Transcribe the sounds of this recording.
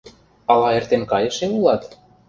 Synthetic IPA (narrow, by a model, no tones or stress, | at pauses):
ɑlɑert̪enkɑjɤ̆ʃeulˠɑt̪